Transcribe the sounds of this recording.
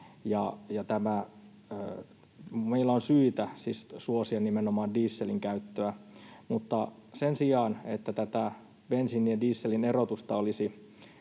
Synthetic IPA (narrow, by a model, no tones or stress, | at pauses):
jɑjɑt̪æmæ | ø | meilːæonsyːt̪æsissuosiɑnimenomɑːndiːsːeliŋkæyt̪ːøæmut̪ːɑsensiɑːnet̪ːæt̪æt̪æ | b̥ensinːiediːsːelinerot̪ust̪ɑolisi